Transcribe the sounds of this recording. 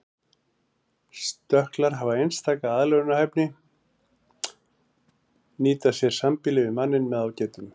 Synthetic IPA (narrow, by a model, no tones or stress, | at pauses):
st̪œhklaɾ̥ɦavaejnst̪ʰaːkaaðlɛɣʏnahɛpnɪ | niːt̪asjɛɾ̥sampɪlɪvɪmanːɪnmɛðaːwcɛːt̪ʏm